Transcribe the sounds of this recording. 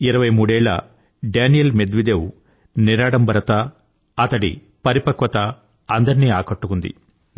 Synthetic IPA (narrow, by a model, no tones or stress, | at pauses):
iɾɐʋɐjmuːɽɛːɭɐ̰ | ɖaːnijɐlmed̪ʋid̪eːwu | niɾaːɽɐmbʱɐɾɐt̪ɐ | ɐt̪ɐɽḭ | pɐɾipɐkʋɐt̪ɐ | ɐnd̪ɐɾniːaːkɐʈːukund̪ḭ